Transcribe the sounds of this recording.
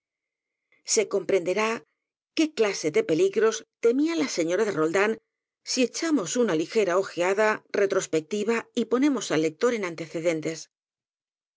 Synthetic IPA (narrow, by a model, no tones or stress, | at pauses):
se̞ko̞mpɾe̞nd̪e̞ɾa | ke̞klase̞ðe̞pe̞liɣɾo̞st̪e̞mialase̞ɲo̞ɾaðe̞ro̞ld̪an | sie̞t͡ʃamo̞sunalixe̞ɾao̞xeaðare̞t̪ɾo̞spe̞k̚t̪iβaipo̞ne̞mo̞salːe̞k̚t̪o̞ɾe̞nãnt̪e̞θe̞ðe̞nt̪e̞s